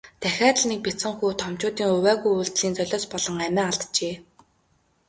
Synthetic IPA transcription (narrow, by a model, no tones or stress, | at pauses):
t̪ʰæxʲaːt̪̆nik̚pʲit͡sə̆ŋxuːt̪ʰɔmt͡ɕʊːt̪iːŋɵwæːɣujuːɮt̪ɮiːnt͡sœɮʲɔːspɔɮɞ̆ŋæmʲæːaɮt̪t͡ɕeː